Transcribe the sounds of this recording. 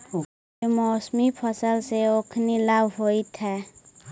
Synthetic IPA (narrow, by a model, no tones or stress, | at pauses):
mɔsmipʰʌsəlseokʰnilabɦojt̪ʰɛ